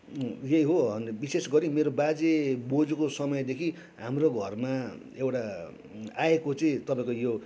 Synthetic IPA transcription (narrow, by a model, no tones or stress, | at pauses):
jeiɦoʌnbisesɡʌɾimeɾobad͡zebod͡zukosʌmʌjd̪ekʰi | ɦamroɡʱʌrma | ewʈa | aekot͡sʌĩt̪ʌpãĩkojo